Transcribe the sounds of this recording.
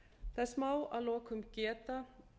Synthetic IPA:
θɛsmaːwa̰ðlɔːkʏmcɛːt̪a

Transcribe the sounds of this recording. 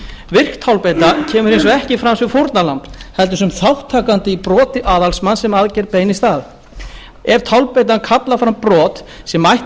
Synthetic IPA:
vɪr̥kt̪ʰawlpejt̪acʰɛːmʏɾhejnsɔɛhcɪfɾamsvɪfowɾt̪nalamphɛlt̪ʏsʏmθawht̪ʰaːkant̪ɪipɾɔːt̪ɪʔaːðalsmansɛmaðcɛɾpeːjnɪst̪aːð | ɛv̥t̪ʰawlpejt̪̬ankʰat̪lafɾampɾɔːt̪sɛmajht̪

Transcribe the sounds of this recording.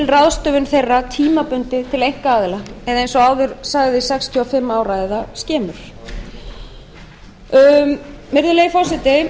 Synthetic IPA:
ɪlraðst̪œvʏnθejrːat̪ʰiːmapʏnt̪ɪt̪ʰɪlejŋ̥kaaːðɪlaɛðaejnsɔaːwðʏɾ̥saɣðɪsɛkst̪ʰjɔafɪmːaːwɾajðascɛːmʏɾ̥ | mɪɾðʏleːjfɔsɪt̪ɪ

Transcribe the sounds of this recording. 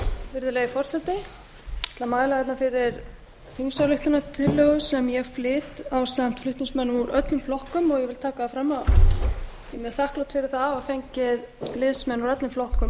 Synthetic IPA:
vɪɾðʏleːjðɪfɔr̥sɛt̪ɪ | t̪ʰɪlamaːjlaɛt̪nafɪɾɪɾ | θiŋsawlʏht̪ʏnat̪ʰɪlœɣʏsɛmjɛɣflɪːt̪awsam̥t̪flʏht̪nʏsmɛnːʏmuɾœt̪lʏmflɔhkʏmɔɣjɛvɪlt̪ʰaːkaafɾamːa | jɛmjɛθahklowt̪fɪɾɪɾ̥θavafejɲcɪðlɪðsmɛnuɾœt̪lʏmflɔhkʏm

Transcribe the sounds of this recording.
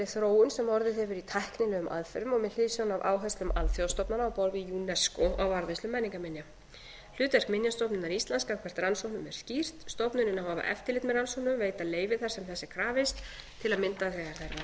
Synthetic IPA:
ɪθɾoːwʏnsɛmɔɾðɪθhɛvʏɾit̪ʰahknɪnʏʏmʔa̰ðfɛɾʏmɔmɛl̥ɪːsawnava̰ːwɦast̪lʏmalθjowst̪ɔpnanaɔwpɔɾvɪjunɛskɔawaɾðejst̪lʏmːɛniŋkamɪnja | l̥ʏːt̪ɛr̥kmɪnjast̪ɔpnʏnːaɾist̪lanskakʰvɛr̥t̪ransowhnʏmɛ̰ɾ̥scir̥t̪st̪ɔpnʏnɪnavhaːva̰ʔɛ̰ft̪ɪɾlɪːt̪mɛðransowhnʏmveːjt̪aleːjvɪθaɾ̥sɛmθɛsːɪ̥kʰɾaːvɪst̪t̪ʰːɪlaðmɪnt̪aθɛːɣaɾ̥θɛɾa

